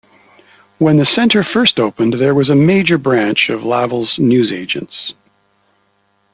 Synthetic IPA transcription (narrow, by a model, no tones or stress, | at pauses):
wə̃nðɨsɛ̃ntʰə˞fɜ˞stoʊpɨ̃nðə˞wʌzɨmeɪd͡ʒə˞bɹæ̃nt͡ʃʌvlævl̩ˠznʉzeɪd͡ʒɨ̰̃nts